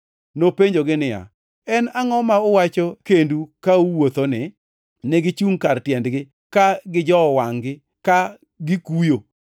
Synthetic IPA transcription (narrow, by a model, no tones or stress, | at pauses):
nopeɲd͡ʒoɡɪnɪja̰ | ɛnaŋɔmaowat͡ʃɔkendukauwot̪onɪ | nɛɡɪt͡ʃuŋkartjɛndɡɪ | kaɡɪd͡ʒɔwaŋɡɪ | ka | ɡɪkujo